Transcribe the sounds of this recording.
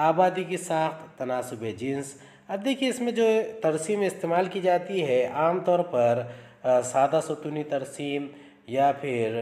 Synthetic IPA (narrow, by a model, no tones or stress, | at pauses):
aːbaːd̪ikesaːxt̪ʰːɐnaːsʊbʱed͡ʒɪns | ɐb̚d̪eːkʰieɪsmẽd͡ʒoːt̪ɐɾsiːmɪst̪eːmaːlkid͡ʒaːt̪iɦɛaːmt̪ɔːɾpɐɾ | saːd̪asot̪unit̪ɐɾsiːm | japʰɪɾ